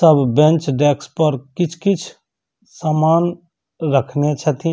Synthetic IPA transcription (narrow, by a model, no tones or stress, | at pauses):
səbbẽnt͡ʃɖekspəɾkɪt͡ʃʰkɪt͡ʃʰ | samaːn | ɾəkʰnet͡ʃʰət̪ʰĩ